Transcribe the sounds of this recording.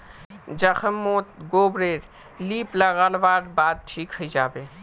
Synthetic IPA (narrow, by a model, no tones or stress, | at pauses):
d͡ʒɐxəmːoːt̪̚ɡoːbɾeːɾ | liːplɐɣalʋaːɾbaːd̪̚tʰiːkʰəd͡ʒaːbeː